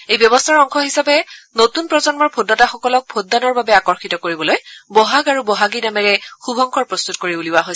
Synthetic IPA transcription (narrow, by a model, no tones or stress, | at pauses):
ejbjɔbɔstʰaɹɔŋkʰɔɦisapɛnotunpɹɔzɔnmɔɹbʰʱodataxɔkɔlɔk̚pʰodːanɔɹbabɛakɔɹxitɔkoɹibɔlojbɔɦaɡaɹubɔɦaɡinamɛɹɛxubʱɔŋkʰɔɹpɹɔst̪utkoɹiuliwaɦojsɛ